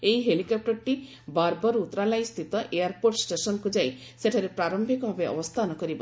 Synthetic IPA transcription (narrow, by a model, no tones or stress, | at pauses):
eiɦelikɔp̚ʈɔɾʈi | baɾbɔɾut̪ːɾalajst̪ʰit̪ɔʔeaɾpoɾʈsʈesɔnkud͡ʒaj | seʈʰaɾepɾaɾɔmbʱikɔbʱabeɔ̰bɔst̪ʰanɔkɔɾibɔ